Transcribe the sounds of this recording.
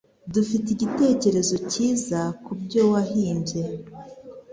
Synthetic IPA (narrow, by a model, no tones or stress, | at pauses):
dufitiɟite̞ːce̞ɾe̞zo̞ciːzakubɟo̞ːwaɦiːmbe̞